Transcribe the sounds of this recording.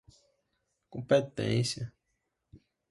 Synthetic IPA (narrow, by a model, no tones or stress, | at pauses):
kõmpet̪ḛ̃nsja